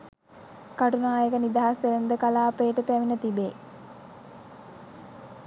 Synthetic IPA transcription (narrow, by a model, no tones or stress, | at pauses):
kaʈunaːjəkənid̪aɦasʋeɾend̪əkalaːpeːʈəpæʋinət̪ibeː